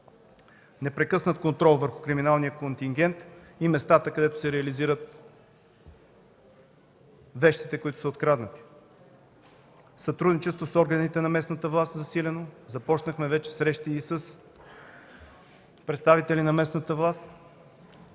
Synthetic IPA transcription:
nɛpɾɛkɤsnət̪̚kont̪ɾɔlˠvəɾxʊ̥kɾiminalˠnijəkont̪iŋɡ̟ʲɛnt̪imɛst̪at̪əkɐd̪ɛt̪ʊ̥sɛɾɛɐliziɾət̪ | vɛʃt̪it̪ɛkoit̪ʊ̥səot̪kɾad̪nət̪i̥ | sɐt̪ɾud̪nit͡ʃɛst̪vosɔɾɡənit̪ɛnɐmɛsnət̪əvlˠast̪zɐsilʲɛnozɐpɔt͡ʃnəxmɛvɛt͡ʃɛ̥sɾɛʃt̪iːsəs | pɾɛt̪st̪avit̪ɛlinɐmɛsnət̪əvlˠast̪

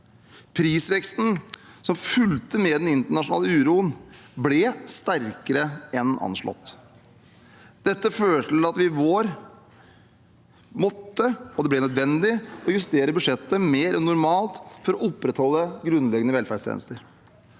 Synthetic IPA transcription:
pʰɾiːsʋɛkst̪n̩sɔmfʉlt̪əmɛːd̪ɛnɪnt̪əɳɑʂʊnɑ̰ːləʉːɾuːənblɛst̪æɾkəɾəɛnɑ̰nʂɭɔ̰t̪ː | d̪̥ɛt̪ːəføːʈʰɪlɑt̪ʋɪʋoːɾ | mɔt̪ːəɔd̪ɛblɛnœd̪ʋɛnd̪ɪɔjʉst̪eːɾəbʉʂɛt̪ːəmeːɾɛnːʊɾmɑːlt̪fɔɾɔʔɔpːɾɛt̪hɔlːəɡɾʉnlɛɡənəʋɛlfæɖʂt̪ʰjḛnəst̪əɾ

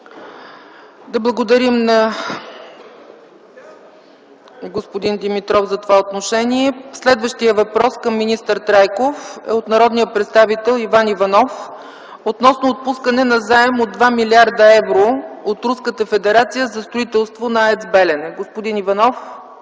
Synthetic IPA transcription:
d̪ɐblˠəɡod̪ɐɾimnɐ | ɡospod̪ind̪imit̪ɾɔfzɐt̪ovaot̪noʃɛniɛslɛd̪vəʃt̪ijəvɐpɾɔskəmːinist̪əɾt̪ɾajkofɛ̰ot̪nɐɾɔd̪nijəpɾɛt̪st̪avit̪ɛlˠivanivɐnɔf | ot̪nɔsnoːt̪̚puskənɛnɐzaɛmod̪ːvamilʲiaɾd̪əɛvɾoot̪ɾuskət̪əfɛd̪ɛɾat̪sijəzɐst̪ɾoit̪ɛlˠst̪vonɐɛsbɛlɛnɛɡospod̪inivɐnɔf

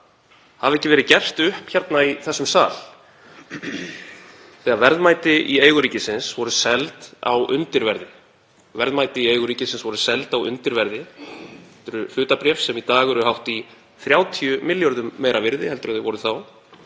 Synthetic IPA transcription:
havɛhcːɪvɛːɾɪcɛr̥t̪ʏhpçaɾt̪naiθɛsːʏmsaːl | θɛːɣavɛɾðmajt̪ɪʔieːjɣʏɾiːcɪsɪnsvɔɾʏsɛlt̪a̰wʏnt̪ɪɾvɛɾðɪ | vɛɾðmaːjt̪ɪieːjɣʏɾiːcɪsɪnsvɔɾʏsɛlt̪awʏ̰nt̪ɪɾvɛɾðɪ | ɛlt̪ʏɾʏfʏːt̪apɾjɛfsɛmit̪aːɣɛɾʏhawht̪i | θɾjaːwt̪ʰijʏmɪljɔɾðʏmːeːjɾʔavɪɾðɪhɛlt̪ʏɾaðθɪvɔɾʏθaw

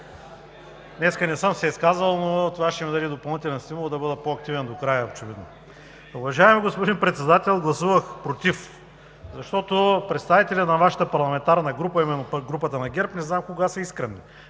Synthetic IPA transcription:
nɛskənɛsɤmsɛiskazvəlˠnot̪ovaʃt̪ɛmid̪ɐd̪id̪opɐlˠnit̪ɛlɛnst̪imulˠd̪ɐbɤd̪əpoɐk̚t̪ivɛnd̪okɾajɐot͡ʃɛvid̪no | ʊvɐʒaɛmiɡospod̪inpɾɛt̪sɛd̪at̪ɛlˠɡlˠɐsuvəxpɾot̪if | zɐʃt̪ɔt̪opɾɛt̪st̪avit̪ɛlʲɐnɐvaʃɐ̥t̪əpɐɾlˠɐmɛnt̪aɾnɐɡɾupɐimɛnopɡɾupət̪ənɐɡʲɛɾpnɛznamkoɡasɐiskɾɛnːi

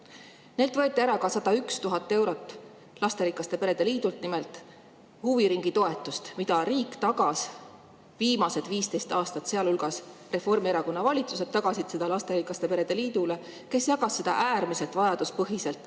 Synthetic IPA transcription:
ne̞lt̪vɤ̞e̞t̪ːˑiæɾɑkɑsɑd̪ɑykst̪uɦɑt̪ːˑe̞wɾo̞t̪ːˑ | lɑst̪eɾikːˑɑst̪e̞pe̞ɾe̞d̪e̞liːd̪ult̪nimelt̪ˑ | huviɾiŋɡ̥it̪o̞e̞t̪ːˑust̪mid̪ɑɾiːkːˑt̪ɑɡɑs | viːmɑse̞d̪viːst̪e̞jst̪ɑːst̪ɑt̪se̞ɑlulɡ̥ɑsre̞fo̞rmieɾɑko̞nːɑvɑlʲit̪suset̪ːɑɡ̥ɑsid̪se̞d̪̥ɑlɑst̪e̞ɾikːˑɑst̪e̞pe̞ɾe̞d̪eliːd̪̥ule̞ | ke̞sjɑɡɑsːed̪ɑ̰ʔæːrmise̞lt̪vɑjɑd̪̥uspɤɦise̞lt̪ːˑ

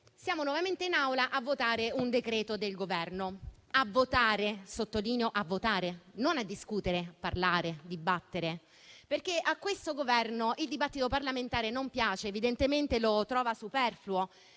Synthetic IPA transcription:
sjaːmonwɔvament̪einawlaʔavːot̪aːɾeund̪ekɾɛːt̪od̪elɡovɛrno | avːot̪aːɾesot̪ːoliːnjoʔavːot̪aːɾenonad̪ːiskuːt̪eɾeparlaːɾed̪ibat̪ːeɾe | perk̟eʔakːwest̪oɡovɛrnoʔild̪ibat̪ːit̪oparlament̪aːɾenompjaːt͡ʃeːvid̪ent̪ement̪elot̪ɾɔːvasupɛrfluo

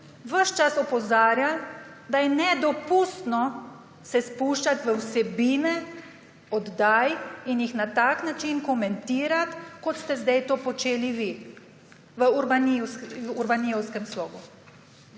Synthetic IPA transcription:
ʋəʃt͡ʃasɔpɔzaːɾjal | d̪ajɛnɛd̪ɔpuːst̪nɔ | sɛspuːʃt͡ʃat̪ʋəwsɛbiːnɛ | ɔd̪ːaːjinjixnat̪aknat͡ʃinkɔmɛnt̪iːɾat̪kɔt̪st̪ɛzd̪ajt̪oːpɔt͡ʃeːliʋi | ʋəuɾbanuɾbanijɔwskɛmslɔːɡu

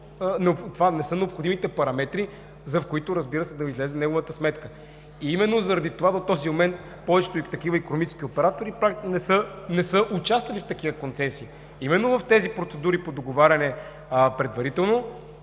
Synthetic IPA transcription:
nɛopt̪vanɛsɤnɛopxod̪imit̪ɛpɐɾɐmɛt̪ɾi | zɐfkoit̪ʊɾɐzbiɾəsɛd̪ɐizlɛzɛnɛɡoʊvət̪əsmɛt̪kə | iimɛnːozɐɾɐd̪it̪ovad̪ot̪ɔzimomɛnt̪̚ | pɔvɛt͡ʃɛ̥t̪oit̪ɐkivəikonomit͡ʃɛ̥skʲiopɛɾat̪oɾipɾanɛsənɛsəʔʊt͡ʃast̪vɐlʲift̪ɐkivəkont̪sɛsiː | imɛnːovəft̪ɛzipɾot̪sɛd̪uɾipod̪oɡovaɾʲɐnɛ | pɾɛd̪vɐɾit̪ɛlˠno

